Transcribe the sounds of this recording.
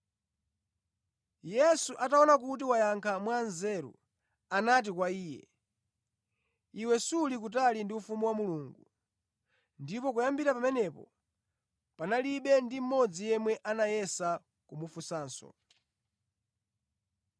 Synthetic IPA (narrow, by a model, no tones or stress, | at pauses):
jɛsuʔataɔnak̬ut̬iwajaŋkʰamwanzɛɾṵ | anat̬ikwaiːjɛ̰ | iwɛsulik̬ut̬alindiufumuwamuluːŋɡu | ndipɔkujambiɾapamɛnɛpɔ̰ | panaliɓɛndim̩mɔd͡zijɛmwɛʔanajɛsa | kumufusaːnsɔ̰